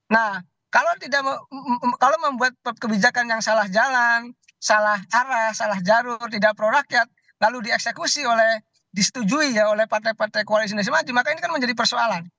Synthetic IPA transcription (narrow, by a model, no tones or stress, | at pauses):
nah | kalowt̪idak | kalowməmbuat̪̚kəbid͡ʒakanjaŋsalahd͡ʒalan | salaɦaɾahsalahd͡ʒaɾʊrt̪idak̚pəɾoɾakjat̪̚ | laludiɛksekusiolɛh | disə̥t̪ud͡ʒuijaolɛhpart̪ajpart̪ajkoalis̬inas̬imad͡ʒimakainikanməɲd͡ʒadipərsoalan